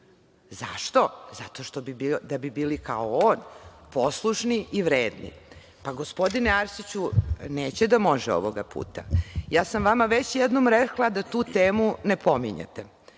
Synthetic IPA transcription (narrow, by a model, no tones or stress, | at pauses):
za̰ʃt̪o̞zat̪o̞ʃt̪o̞bibid̪abibiːlika̰ooːnpo̞slˠuʃniiʋɾeːd̪nḭ | paɡo̞spo̞d̪ineaɾsit͡ɕuneːt͡ɕed̪amo̞ʒɛo̰ʋoɡapṵːt̪a̰jaːsamʋamaʋet͡ɕjɛd̪nomɾeklad̪at̪uːt̪eːmunepo̞miɲḛt̪e